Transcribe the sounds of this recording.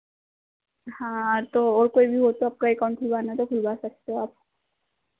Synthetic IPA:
hãːt̪ɔːɹkojbiɦot̪ɔap̚kaikankʰulbanat̪ɔkʰulbasakʰi̥tɔap̚

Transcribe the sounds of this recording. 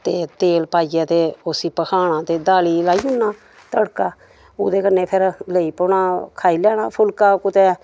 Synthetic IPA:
t̪eːt̪eːlpaːijãːt̪eːosiːpəkʰaːɽ̃ãːt̪eːd̪aːliːlaːiːʊnːaː | t̪əɽkaː | ʊːd̪eːkənːeːpʰɪɾləiːpoːɳaːkʰaːiːlɛːɽaːpʰʊlkaːkʊt̪eː

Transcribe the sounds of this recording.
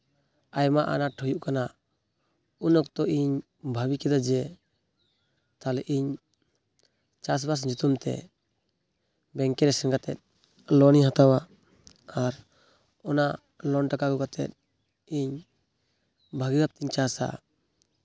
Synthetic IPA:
ajmaʔa̰naʈʰɔjuʔkana | unɔkt̪ɔʔiɲ | bʱabikɛd̪ad͡ʒɛ | t̪alɛʔiɲ | t͡ʃas̬bas̬d͡ʒut̪umt̪ɛ̰ | bɛŋkɛɾɛsɛnɡat̪ɛt̪̚ˀ | lɔniɦat̪awa | aɾ | ɔna | lɔnʈakaɡɔkat̪ɛ̰t̪̚ | iɲ | bʱaɡiɡap̚t̪iɲt͡ʃasa̰

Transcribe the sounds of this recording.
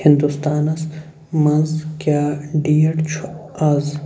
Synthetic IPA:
hind̪ust̪aːnɐs | mɐnzkjaːɖiːjɐʈt͡ʃʰɐz

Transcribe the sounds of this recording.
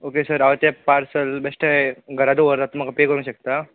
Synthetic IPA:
oːkesɐɾɐʋɐt̪jɐpaːɾsɐlbesʈeɡɐɾaːd̪uʋɐɾd̪at̪ːumɐkɐpeɡɐɾũʃɐk̚t̪a

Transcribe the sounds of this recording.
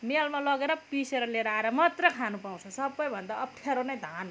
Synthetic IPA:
melmalʌɡeɾʌpiseɾʌleɾaɾʌmʌt̪rʌkʰanupaw̃t͡sʰʌsʌbːʌjbʱʌnd̪aʌpt̪ʰjaɾonʌjd̪ʱan

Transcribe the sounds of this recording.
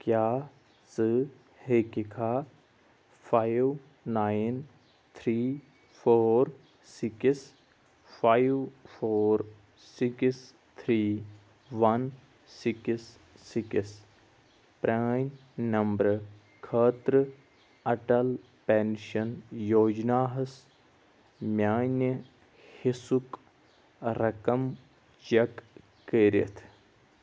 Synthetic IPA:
kjaː | sɨ | hekikʰaː | pʰaːjʋ | naːjn | t̪ʰɾiː | pʰoːɾ | sɪks | pʰajʋfʰoːɾ | siks | t̪ʰɾiː | ʋɐn | siksː | ikis | pɾaːn | nɐmbɾɨ | kʰəːt̪ɾɨ | ɐʈɐl | penʃɐnjoːd͡ʒnaːɦɐs | mjaːnɐ | hisuk | ɾɐkɐm | t͡ʃɐkː | eːɾɐ̰t̪ʰ

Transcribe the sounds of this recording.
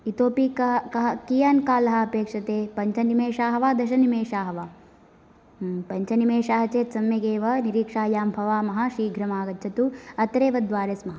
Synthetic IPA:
it̪oːpikkijaːnkaːlɐɦɐ̆ɐpeːkʂɐt̪eːpɐɲt͡ʃʰɐnimeːʃaːɦɐʋaːd̪ɐʃɐnimeːʃaːɦɐʋaː | pɐɲt͡ʃɐnimeːʃaːɦɐt͡ʃeːt̪sɐmjɐɡeːʋɐniɾiːkʂaːjaːmbʱɐʋaːmɐɦɐʃiːɡʱɾɐmaːɡɐt͡ʃʰɐt̪uɐt̪ɾeːʋɐd̪ʋaːɾeːsmɐɦɐ

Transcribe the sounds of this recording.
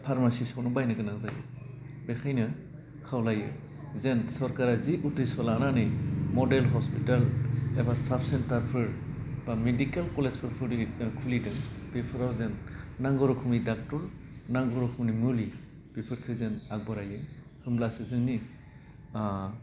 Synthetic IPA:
pʰaɾmasisawnɔbajnɯɡɯnaŋzajɯ̰ | bekʰajnɯ | kʰawlajɯ̰ | zensɔɾkaɾaziutɾisɔlananɯjmɔdelɦɔspitalebasapsentaɾpʰɯɾb̥amedikalkɔlezpʰɯɾpʰɯɾdikʰulidɯb̥epʰɯɾawzenːaŋɡɔɾɔkʰɯmidak̚tɔɾnaŋɡɔɾɔkʰumnimɯli | b̥epʰɯɾkʰɯzenak̚bɔɾajɯ | hɯmlasezɯŋni | a

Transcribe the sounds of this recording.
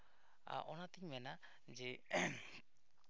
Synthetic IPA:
a̰ʔɔnat̪iɲmɛna | d͡ʒɛ

